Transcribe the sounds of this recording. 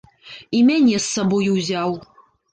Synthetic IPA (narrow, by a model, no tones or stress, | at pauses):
imʲanʲesːɐbojwzʲaw